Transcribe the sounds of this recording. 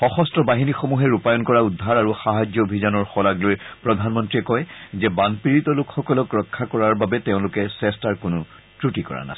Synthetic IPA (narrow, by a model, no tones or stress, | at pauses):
xɔxɔstɹɔbaɦinixomuɦɛɹupajɔnkɔɹaudʱːaɹaɹuxaɦad͡ʒjɔobʱizɔnɔɹxɔlaɡlojpɹɔd̪ʱanmɔntɹiɛkɔjzɛbanpiɹit̪ɔlʊkxɔkɔlɔkɹɔkʰːakɔɹaɹbabɛtɛʊ̃lʊkɛsɛstaɹkʊnʊ | tɹutikɔ̰ɹa̰na̰s